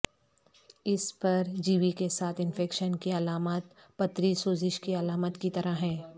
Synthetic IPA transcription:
ɪspɐɾd͡ʒiːʋikesaːt̪ʰɪ̃nfɛːkʃənkiɐlaːmaːt̪ | pɐt̪ɾisoːzɪʃkiɐlaːmət̪kit̪ɐɾaɦɛ̃ː

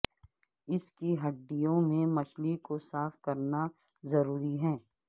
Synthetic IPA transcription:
ɪskiɦɐɖːijõmẽmɐʃlikosaːfkɐɾna | zɐɾuːɾiɦɛ̃ː

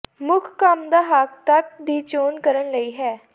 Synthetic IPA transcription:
mʊkʰkəmd̪aːɦəkt̪ək̚d̪iːt͡ʃoːnkəɾənləiːɦɛː

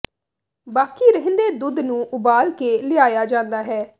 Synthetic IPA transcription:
baːkiːɾəɦnd̪eːd̪ʊd̪nũːʔʊbaːlkeːlɪaːjaːd͡ʒãːnd̪aːɦɛː

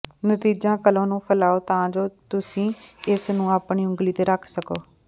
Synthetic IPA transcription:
nət̪iːd͡ʒãːkəlõːnũːpʰəlaːoːt̪ãːd͡ʒoːt̪ʊsĩːɪsnũːaːpɳiːʊ̃ŋɡliːt̪eːɾəkʰsəkoː

